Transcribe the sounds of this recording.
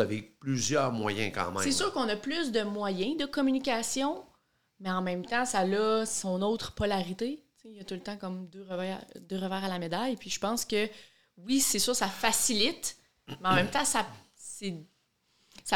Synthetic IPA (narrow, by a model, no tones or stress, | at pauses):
aveplyzjœːʁmwa̰jɛ̰̃kɑ̰̃mɛ̰̃sesyːʁkɔ̃nʌplʏsd̪əmwajɛ̃d̪əkɔmynikʲasjɔ̃ | mɛɑ̃mɛ̃mt̪ɑ̃salɔsɔ̃not̪χpɔlaʁit̪et͡sejət̪ult̪ɑ̃kɔmd̪øʁəvɛːd̪øːʁəvɛːʁalamed̪ajpʰɥiʒəpɑ̃ːskʲə | wisesyːʁksafasilɪt̪ | mɛɑ̃mɛ̃mt̪ɑ̃sa | se | sa